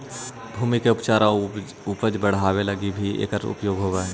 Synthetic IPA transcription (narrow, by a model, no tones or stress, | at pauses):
bʱuːmikeʊpt͡ʃaːɾa | upəd͡ʒbəɽ̤aːwelɐɡibʱiḛːkəɾʊ̰pjoːɡɦoːʋaɛ